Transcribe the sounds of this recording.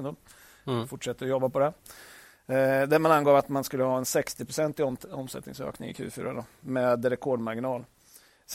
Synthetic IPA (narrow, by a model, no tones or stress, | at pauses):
nd̪ɔm | fʊʈʂɛt̪ːəɾɔjɔbːapɔd̪ɛ | d̪æɾmananɡɑːvat̪manskɵlːəhɑːɛnsɛkst̪ɪpʰɾʊsɛnt̪ɪɔmsɛ̰t̪nɪ̰ŋsø̰ːknɪ̰ŋɪ̰kʰʉ̟ːfy̰ːɾad̪əmeːd̪ɾɛkʰɔɖmaɾɡɪnɑːl | s